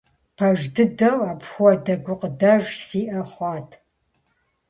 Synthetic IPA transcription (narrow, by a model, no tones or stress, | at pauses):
pʰɐʒdɨdɐwaːpxʷɔdɐɡʷʊqdɐʒsiːʔɐχʷɑːtʰ